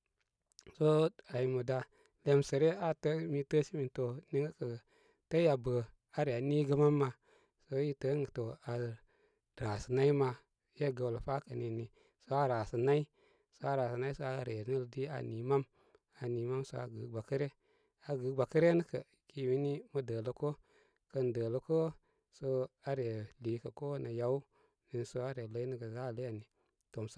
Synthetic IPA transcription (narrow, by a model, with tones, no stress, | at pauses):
so˦a˨ji˨mu˨da˨ | le˨msə˨ɾe˦a˦tə˦mi˦tə˦si˦mi˨nto˨ni˦ŋə˦kə˨ | tə˦ja˨bə˨ | a˨ɾi˨a˨ni˦ɡə˦ma˦mːa˨ | so˦ji˦tə˦ŋə˨to˨a˨ | ɾa˨sə˨na˦i˦ma˧ | je˦ɡə˨wlfa˦kə˨ni˨ni˨ | so˦a˦ɾa˨sə˨na˦i˦ | so˦a˦ɾa˨si˨na˦i˦so˦a˦˨ɾe˨ni˦ldi˦a̰˨ni˨ma˦m | a˨ni˨ma˦mso̰˦a˨ɡə˨ɡ͡ba˨kə˦ɾe˦ | a˨ɡə˨˦ɡ͡ba˨kə˦ɾe˦nə˦kə˨ki˨wi˦ni˦mə˦də˨lə˦ko˦ | kə˦n˨də˨lə˨ko˦ | so˦a˦ɾe˨li˨˦kə˨ko˦na˨ja˨˦u˦ | ni˨n˨so˦a˦ɾe˨lə˦i˦nə˦ɡə˨za˦˨lə˦ja˨ni˨ | to˨ms